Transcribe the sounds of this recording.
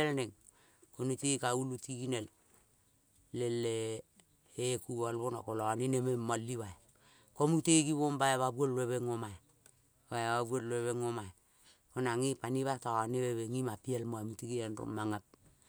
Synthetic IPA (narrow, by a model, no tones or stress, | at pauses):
elneŋ | konitikaulutikinel | lelːe | ekualbona̰kolɔninememːalːiwaj | komutekiβombajaβabwolleβeŋomaj | bajaβaβwolleβeŋoma | konaŋipaniβataaneweβeŋimapielmoamutikianro̰mːaŋap̚